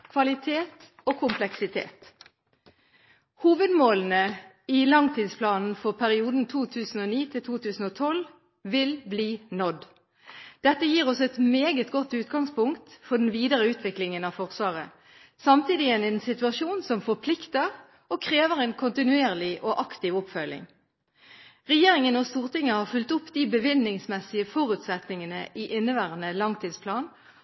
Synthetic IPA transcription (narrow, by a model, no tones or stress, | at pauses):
kʰʋɑlɪt̪ʰeːt̪ | oːkʰʊmplɛksɪt̪ʰḛːt̪ | huːʋəd̪moːln̩ə | ɪlɑŋt̪ʰiːd̪spʰlɑːnn̩fɔʁpʰæʁɪuːd̪n̩t̪ʰuːt̪ʰʉːsn̩oːniːt̪ʰɪlt̪ʰuːt̪ʰʉːsn̩ɔːt̪ʰɔl | ʋɪlbliːnɔd̪ | d̪̥ɛt̪ːəjiːʁɔsɛt̪meːɡət̪ɡɔt̪ːʉːt̪ɡɑŋspʊŋkt̪fɔd̪ɛn̩ʋiːd̪əʁəʉːt̪ʰʋɪklɪŋənɑfɔʁsʋɑːʁə | sɑmt̪iːd̪ɪənɛnsɪt̪ʉɑʃuːnsɔmfɔʁpʰlɪkt̪əʁ | ɔkʰʁeːʋəʁɛnkʰʊnt̪ɪnʉeːʁlɪʔɔʔɑkt̪ɪːʋɔpfœlɪ̰ŋ | ʁɛjeːʁɪŋənɔst̪uːʁt̪ɪŋːəhɑːʁfʉlt̪ʊpːd̪iːbəʋɪnːɪŋsmɛsɪəfɔʁʉt̪sɛt̪nɪŋənə̰ʔiʔɪnːəʋæːʁənəlɑŋt̪ʰiːd̪spʰlɑːn